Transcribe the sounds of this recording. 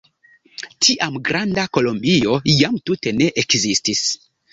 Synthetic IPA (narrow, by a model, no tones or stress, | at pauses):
tʰiʔamɡɾandako̞lo̞mbio̞jamtute̞ne̞ʔekzistis